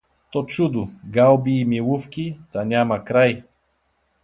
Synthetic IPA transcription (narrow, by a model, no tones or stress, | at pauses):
t̪ɔt͡ʃud̪ʊɡalˠbiːmilˠufkʲit̪anʲamɐkɾaj